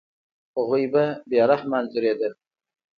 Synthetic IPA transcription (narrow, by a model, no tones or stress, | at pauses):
aɣujbabjɑɾahmanzuɾed̪əl